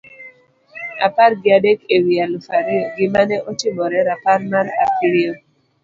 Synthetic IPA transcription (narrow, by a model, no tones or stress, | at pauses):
a̰parɡɪadekewialfaɾiɡɪmanɛʔotɪmɔɾɛɾaparmaɾa̰piɾio